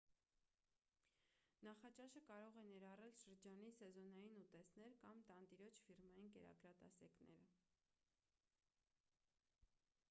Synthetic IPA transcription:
nɑχɑt͡ʃɑʃəkɑɾɔʁɛnɛɾɑrɛlʃəɾd͡ʒɑnisɛzɔnɑjinut̪ɛsnɛɾkɑmt̪ɑnt̪iɾɔt͡ʃʰfirmɑjinkɛɾɑ̰kɾɑt̪ɑ̰sɛknɛ̰ɾə

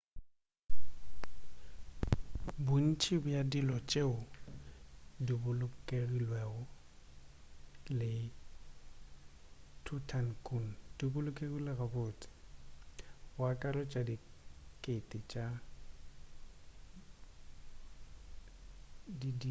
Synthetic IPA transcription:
bʊn̩t͡ʃʰʼibʊjadilɔt͡ʃʼeʊ | dibʊlʊkʼerilwɛɣɔ | lɪ | tʰutʰankʼund̥ibʊlʊkʼeɣilɪɣabʊːt͡sʼɪ̥ | bwakʼaɾɔt͡ʃʼadikʼetʼɪt͡ʃʼa | didi

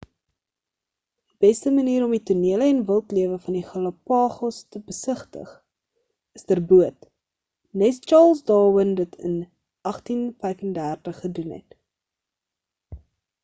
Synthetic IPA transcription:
d̥ibɛstəməniːɾɔmituniələɛnvəlˠtliəvəfɐniχɐlɐpɑːχɔstəbəsəχtə̰χ | əsdərbuət | nɛst͡ʃɑːlˠsdɑːwəndətʰə̰n | ʔɐχtinfɛjkəndærtəχːədunɦɛ̰t

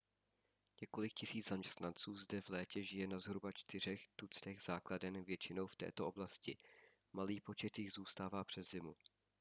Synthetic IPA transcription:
ɲɛko̞lɪkcɪsiːd͡zzamɲɛst̪nant͡suːzdɛvlɛːcɛʒɪjɛnazɦɾubat͡ʃt̪ɪr̝ɛxt̪ut͡st̪ɛɣz̥aːkladɛnvjɛt͡ʃɪno̞wft̪ɛ̰ːt̪oʔo̞blascɪ | maliːpo̞t͡ʃɛt̪jɪɣzuːst̪aːvaːpr̥ɛzzɪmu

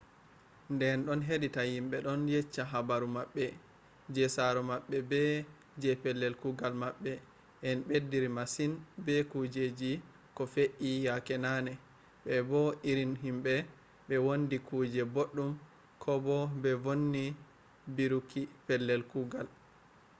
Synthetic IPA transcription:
ndɛnɗɔnɦeɗitahimɓɛɗɔnjɛt͡ʃːaɦabaɾumaɓːɛ | d͡ʒɛsaɾɔmaɓːɛbɛ | d͡ʒɛpɛlːɛlkuɡalmaɓːɛ | ʔɛnɓedːiɾimasinbɛkud͡ʒed͡ʒi | kɔfeʔijakɛnanɛ | ɓɛbɔʔiɾinɦimɓɛ | ɓɛwondikʰuːd͡ʒɛboɗːum | kʰɔbɔbɛvonːi | biɾukipɛlːɛlkuɡal

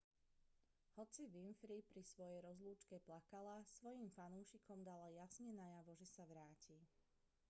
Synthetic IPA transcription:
hɔt͡siʋinfɾipɾisʋɔjɛjɾɔzluːt͡ʃkɛplakalasʋɔjimfanuːʃikɔmd̪alajasɲɛnajaʋɔʒɛsaʋɾaːci

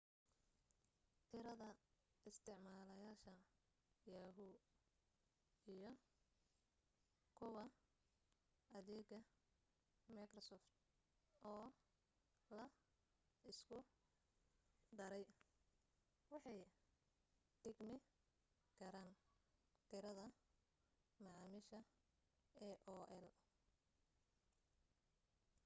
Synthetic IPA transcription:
t̪ʰɪɾɐðɐɪst̪ʰɪʕmaːlɐjaːʃɐ | jaːɦʊ | ijɔ | kʰʊwɐ | ɐðɛːɡɐ | mɐkrɔsɔːft̪̚ | ɔː | lɐ | ɪskʰʊ | d̪ɐɾɛj | wɑħɑj | ɖ̥ɪɡmɪ | kʰɐɾaːn | t̪ʰɪɾɐðɐ | mɑʕɑːmɪʃɐ | ɛʔɔːʔɛl

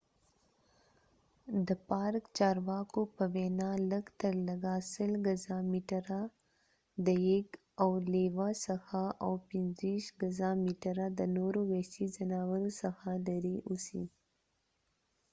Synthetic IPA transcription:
d̪əpɑɾkt͡ʃɑɾwɑkopəwɛnɑləɡt̪əɾləɡasəlɡazamiʈaɾa | d̪əjeɡ | awlewasəxaʔawpɪnziʃɡazamiʈaɾad̪ənoɾowɛsizanɑwaɾosəxalaɾeʔusḭ

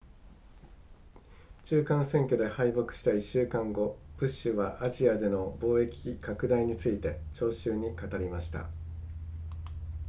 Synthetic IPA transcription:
t͡ɕɨːkãɰ̃sẽ̞ŋkʲo̞d̪e̞haibo̞kɯ̟̥ɕi̥t̪aiɕːɨːkãŋɡo̞b̥ɯ̟ɕːɨβaʔaʑiad̪e̞no̞bo̞ːe̞kʲikakɯ̟d̪aiɲ̟it͡sɨit̪e̞t͡ɕo̞ːɕɨːɲ̟ikat̪aɾʲimaɕi̥t̪a̰

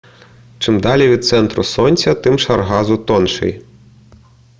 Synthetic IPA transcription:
t͡ʃɪmd̪ɑlʲiʋʲid̪̚t̪sɛnt̪ɾʊ̰sɔnʲt͡sʲɐt̪ɪmʃɐrɦɑzʊt̪ɔnʃɪ̰j

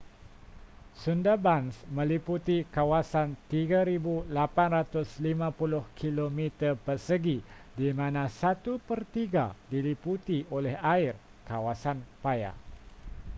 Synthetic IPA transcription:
sundabansmə̃liput̪ikawasant̪iɡaɾibulapanrat̪ʊslimãpulʊhkʰilomit̪ərpərsəɡi | dimãnãsat̪upərt̪iɡa̰diliput̪iʔolɛhaɪr | kawasanpaja̰

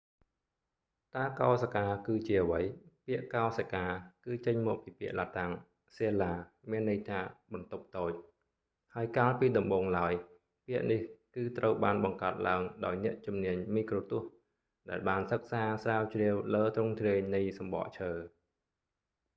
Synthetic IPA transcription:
t̪aːkɑɔsakaːkɨːt͡ɕiəʔəʋəjpiəʔkaɔsakaːkɨːt͡ɕəɲmɔːk̚piːpiəʔlat̪aŋ | seːlaː | miənːəjt̪ʰaːɓɑnt̪up̚t̪oːc̚ | haəjkaːlpiːɗɑmɓoːŋlaəj | piəʔnihkɨːt̪rʔəwɓaːnɓɑŋkaət̪̚laəŋɗaɔjnɛ̆əʔt͡ɕumniəɲmiːkroːt̪ŭəh | ɗaɛlɓaːnsək̚saːsraːwt͡ɕriəwləːt̪rʊŋt̪riəɲnɨjsɑmɓɑ̰ʔt͡ɕʰəː

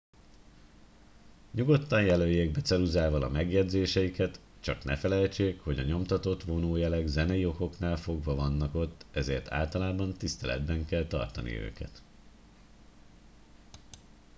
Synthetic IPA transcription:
ɲuɡo̞t̪ːɒnjɛløːjːeːɡ̚bɛt̪sɛluzaːvɒlɒmɛɡjɛd̪zeːʃɛjikɛt̪ | t͡ʃɒknɛfɛlɛjt͡ʃeːkho̞ɟɒ̰ɲo̞mt̪ɒt̪o̞t̪ʋo̞noːjɛlɛɡzɛnɛjio̞ko̞knaːlfo̞ɡʋɒvɒnːɒko̞t̪ːɛzeːrt̪ʰa̰ːlt̪ɒlaːbɒnt̪ist̪ɛlɛ̰d̪bɛŋkɛlt̪ɒ̰rt̪ɒnḭø̰ːkɛ̰t̪

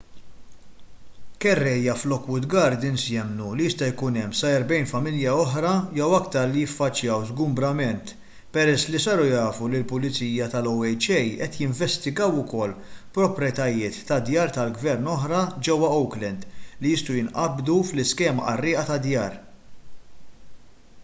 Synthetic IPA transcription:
kɛrːɛjːɐflɔkwʊd̪ɡɐɾd̪ɪnsjɛmnulijɪst̪ɐjkunɛmːsɐjɾbɛjnfɐmɪljɐɔħɾɐjɛwɐkt̪ɐɾlijɪfːɐt͡ʃːjɐwzɡʊmbɾɐmɛnt̪ | pɛɾɛsːlisɐɾujɐːfulilpʊlɪt͡siːjɐt̪ɐlɔwɛjt͡ʃɛjʔɛt̪jɪɱvɛst̪ɪɡɐwʊkɔlːpɾɔpɾjɛt̪ɐjɪːt̪ːɐd̪jɐːɾt̪ɐlɡvɛɾnɔħɾɐd͡ʒɛwːɐɔwklɛnd̪lijɪst̪ujɪnʔɐbd̪uflɪskɛːmɐ̰ʔɐrːɪːʔɐt̪ɐd̪jɐːɾ

